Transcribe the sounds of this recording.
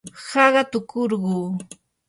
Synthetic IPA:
hɑɢɑt̪ʊkʰoɾɢuː

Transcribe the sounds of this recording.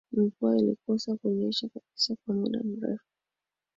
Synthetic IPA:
imikuailḭkɔsakɛɲɛʃakaɓi̥sakwamṵɗa̰m̩ɾɛ̰fu̥

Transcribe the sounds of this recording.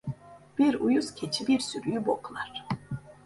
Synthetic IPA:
b̥iɾujuz̥cʲʰet͡ʃʰibiɾsyɾyjyboklˠaɾ̥

